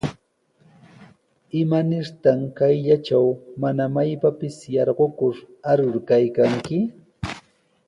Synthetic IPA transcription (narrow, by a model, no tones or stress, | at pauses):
ɪmanɪɾt̪aŋkajʎat͡ʃawmanamajpapɪsjɑɾɢokʊɾ | aɾʊɾkajkaŋkɪ